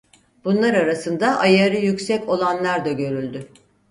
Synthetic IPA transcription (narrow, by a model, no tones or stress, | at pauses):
b̥unlˠaɾaɾasɯnd̪aʔajaɾɯjycsɛco̞lˠanlˠaɾd̪aɟø̞ɾylʲd̪y